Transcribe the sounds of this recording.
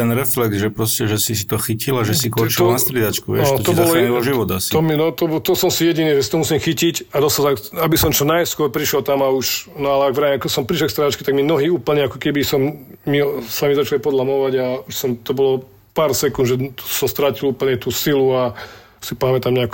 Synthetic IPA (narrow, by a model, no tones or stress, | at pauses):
t̪ɛnɾɛflɛɡzʒɛpɾɔscɛʒɛsisi̥t̪ɔxicilaʒɛsikɔt͡ʃianast̪ɾiɛd̪at͡ʃkuʋɪɛ̰aʃt̪ɔt̪ɔbɔlɔjɛɔʒiʋɔd̪asit̪ɔminɔt̪ɔbt̪ɔsɔmsijɛɟiniːʒɛsi̥t̪ɔmusiːmxicicad̪ɔsazaabisɔmt͡ʃɔnajskʊɔɾpɾiʃɔlt̪amauʃnɔalɛaɡʋɾaimkɔsɔmpɾiʃlɛkst̪ɾɛd̪at͡ʃkɛt̪aɡmimnɔɦiːuːpl̩ɲɛakɔkɛbisɔmːisamizat͡ʃalipɔd̪lamɔʋaɟauʃsɔmt̪ɔbɔlɔ | paːɾsɛkund̪ʒɛsɔst̪ɾaciluːpl̩ɲɛt̪uːsilua | sipamɛt̪amɲɛak